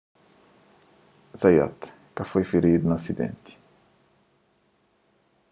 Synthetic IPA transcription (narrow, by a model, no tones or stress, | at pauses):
zaja̰t̪ | kafojfiɾid̪unasid̪ḛ̃nt̪i̥